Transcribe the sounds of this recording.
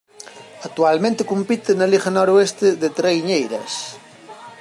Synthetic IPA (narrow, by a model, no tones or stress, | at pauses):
ɐk̚t̪ualmẽnt̪ɪkumpit̪ɪnɐliɣɐnɔɾoest̪ɪðet̪ɾejɲejɾɐ̰s